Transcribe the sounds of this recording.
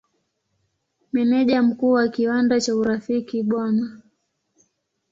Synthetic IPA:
mɛnɛʄam̩kuːwakiwandat͡ʃauɾafikiɓwana

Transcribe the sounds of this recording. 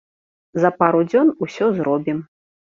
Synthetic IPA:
zɐpaɾud͡zʲɔnusʲɔzɾɔbʲim

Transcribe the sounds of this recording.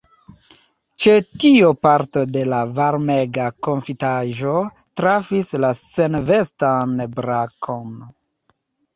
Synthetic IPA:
t͡ʃe̞tiopaɾto̞de̞lavaɾmeɡako̞ɱfitaʒo̞ | tɾafislase̞nve̞stanbɾakʰo̞n

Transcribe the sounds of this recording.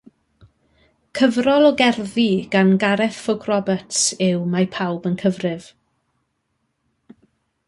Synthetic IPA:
kʰəvrɔlˠɔɡɛrðiɡ̥anɡaɾɛθfʊɡʰrɔbətsɪwmapʰawbənkʰəvrɪv̥

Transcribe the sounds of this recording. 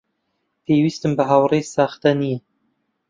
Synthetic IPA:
pʰeːwist̪ɨmbɨɦawrejsɑːxt̪ɐni

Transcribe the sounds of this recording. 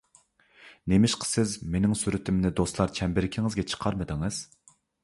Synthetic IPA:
nemɪʃqʰə̥sɪzmenɪŋsyɾɪt̪ʰɪmnɪd̪oslˠɑɾt͡ʃʰɛmbɪɾɪkʲʰiŋɨzɡʲɛt͡ʃʰə̥qʰɑɾmɨd̪ɪŋɨz̥

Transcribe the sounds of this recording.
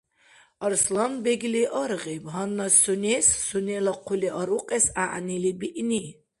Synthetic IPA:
ɔɾslanbɛɡliʔɔɾʁibɦanːasunɛsːunɛlaqʰuliʔɔɾuqʼɛsaʔnilibiʔni

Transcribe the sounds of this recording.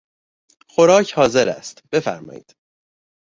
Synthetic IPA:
xo̞ɾɒːcʰhɒːze̞ɾæ̰st̪b̥e̞fæ̰ɾmɒ̰ːjḭːd̪̥

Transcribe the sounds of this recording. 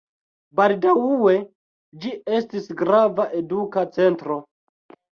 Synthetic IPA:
baldawuwe̞ | d͡ʒie̞stisɡɾavaʔe̞dukat͡se̞ntɾo̞

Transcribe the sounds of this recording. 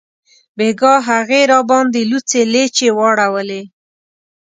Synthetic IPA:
beɡɑɦaɣeɾɑbɑnd̪elut͡selet͡ʃewɑɽawəle

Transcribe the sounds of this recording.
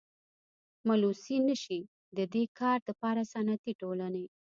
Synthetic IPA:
malusinəʃi | d̪əd̪ekɑɾd̪əpɑɾasanat̪iʈolane

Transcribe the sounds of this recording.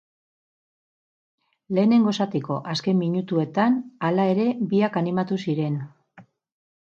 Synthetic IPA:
le̞ːne̞ŋɡo̞sat̪eko̞̰ʔaske̞mmːiɲut̪ue̞t̪analae̞ɾe̞biakanimat̪usiɾe̞n

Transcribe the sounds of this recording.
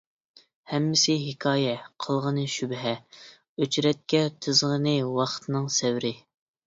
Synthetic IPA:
hɛmːɪsɪɦɪkʰɑːjɛqʰəlˠʁənɨʃybɦɛ | øt͡ʃɾɛt̪̚kʲɛt̪ʰɨzʁənɨwɑχt̪ʰɨnɨŋsɛwɾɪ

